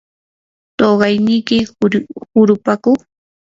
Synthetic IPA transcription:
t̪oɢɑjnɪkɪhʊɾʊpakʊŋ

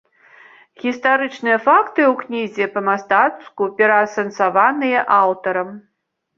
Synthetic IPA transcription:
ɣʲist̪aɾɨt͡ʂnɨjɐfakt̪ɨwknʲizʲɛpɐmast̪at̪skupʲɛɾɐːsɐnt̪savanɨjɛʔawt̪ɐɾɐm

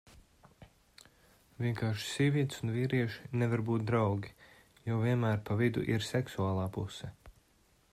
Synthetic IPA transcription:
vʲiɛŋkaːɾʃsiɛviɛt̪sunviːɾiɛʃi̥nɛvaɾbuːt̪̚d̪ɾawɡʲi | joviɛnmæːɾpavid̪ṵʔiɾsɛksuaːlˠaːpusɛ

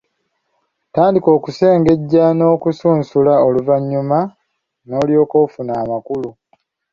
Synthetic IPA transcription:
taːndiko̞ːkuse̞ːŋɡe̞ɟːano̞ːkusuːnsulaoluvaɲːuma | no̞ːljo̞ːkoːfunaːmakulu

